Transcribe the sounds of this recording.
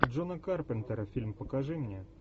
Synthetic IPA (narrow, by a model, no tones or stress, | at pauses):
dʐonɐkarpɛnt̪ɛɾɐfʲilʲmpəkaʐɨmnʲɛ